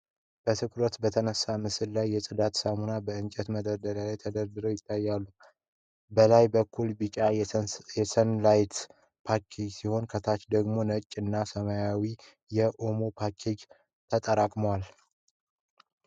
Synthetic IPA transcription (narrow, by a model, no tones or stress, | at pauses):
b̥ət̪ʰɨkʰɾot̪bət̪ʰənəsːamɨsɨlːajːɛsʼɨd̪at̪samunabəɨnt͡ʃʼɛt̪məd̪əɾd̪əlalajt̪ʰəd̪əɾd̪ɨɾojɪt̪ʰːajːalːu | bəlajbəkʰːulbɨt͡ʃʼajɛsənlajt̪ | pʰakʰed͡ʒsiho̞nkʰət̪ʰat͡ʃd̪əɡmo̞nət͡ʃʼːɨnːasəməjawi | jɛʔo̞mo̞pʰakʰed͡ʒ | t̪ʰət̪ʼəɾakʼməwal